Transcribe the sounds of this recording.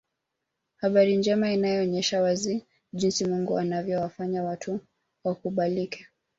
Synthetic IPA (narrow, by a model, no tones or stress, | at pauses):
haɓaɾind͡ʒɛmainajɔːɲɛʃawazi | ʄinsimuŋɡuanavjɔwafaɲawatʰu | wakuɓalikʰɛ̥